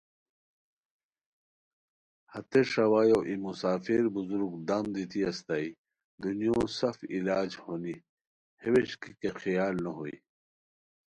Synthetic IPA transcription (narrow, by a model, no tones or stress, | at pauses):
hɐt̪eʂɐwaːjoːʔimusaːfiɾbuzuɾuɡd̪amd̪it̪ʰiɐst̪ai | d̪unijõːsɐfilaːd͡ʑhoːni | heweɕkikexijaːlnɐɦoḭ